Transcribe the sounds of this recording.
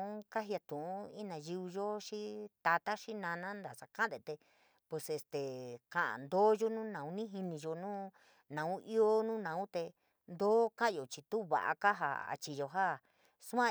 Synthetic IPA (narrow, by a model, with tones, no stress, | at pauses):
ũ˦ka˦ɦi˧a˧t̪ũ˨ũ˦i˦nã˨ji˧i˧ʒo˦ʃi˦t̪a˧t̪a˦ʃi˦nã˧nã˦nd̪a˨sa˧kã˦d̪e˨t̪e˧ | pwe˧se˧st̪e˨kã˨ʔã̰˨nd̪oː˦jo˦nũ˦nã˨ũ˦nĩ˦ɦi˧nĩ˧ʒo˧nũː˦ | nã˨ũ˦ʔi˦o˦nũː˦nã˨ũ˦t̪e˧ | nd̪oː˦kã˦˧jo˨t͡ʃi˧t̪u˦βa̰˨ʔa̰˧ka˦ɦa̰˧a̰˧t͡ʃi˧jo˧ɦa˦ | su˦ã˦